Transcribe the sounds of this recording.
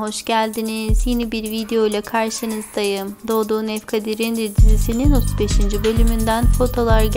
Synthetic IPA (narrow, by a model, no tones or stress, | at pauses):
ɦo̞ʃɟælʲd̪iniz̥jinibiɾvid̪e̞o̞jlʲˠakʰaɾʃɯnɯzd̪ajɯmd̪o̞ːd̪uːnɛfkʰad̪iɾind̪id̪izisininot̪ʰuzbe̞ʃind͡ʒibø̞lʲymynd̪ænfo̞t̪ʰo̞lˠaɾɟ